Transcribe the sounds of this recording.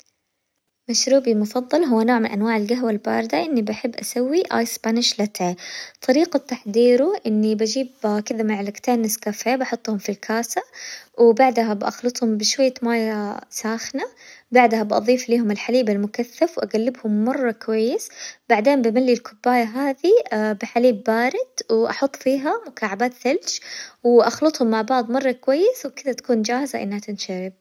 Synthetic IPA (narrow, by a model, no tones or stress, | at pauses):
maʃɾuːbimʊfɑðˤːɑlɦʊwːanoːʕmɪnʔanwaːʕɪlɡaɦwalba̰ːɾd̪aʔɪnːibaħɪbːʔasawːiʔa̰jsbaːnɪʃlat̪ʰeːt̪ˤɑɾiːqat̪ːaħd̪iːɾuʔɪnːibad͡ʒiːbkɪðamɪʕalɪkt̪eːnɪskafeːbɑħʊt̪ˤːhʊmfilkʰaːsawbaʕd̪ɦabʔɑ̰xlɨt̪ˤhʊmbɪʃwajːamaːjasaːxnabaʕd̪habʔɑ̰ðˤiːfliːhʊmɪlħaliːbalmʊkaθːafwʔaɡalːɪbhʊmːɑrˤːɑkwajːɪsbaʕd̪eːmbamalːilkʊbːaːjaɦaːðibɪħaliːbːaːɾɪd̪wɪʔɑħʊt̪ˤːfiːɦamʊkaːʕabaːt̪θald͡ʒwɪʔɑxlɨt̪ˤhʊmːaʕbɑʕd̪ˤmɑrˤːɑkwajːɪswkɪðat̪ḁkuːnd͡ʒaːhɪzaʔɪ̰nːhat̪ɪnʃaɾɪb̚